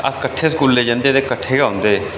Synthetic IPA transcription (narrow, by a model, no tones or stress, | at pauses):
ə̰skəʈʰːeːskuːlːeːd͡ʒãːnd̪eːt̪eːkəʈʰːeːɡaːɦʊ̃ːnd̪eː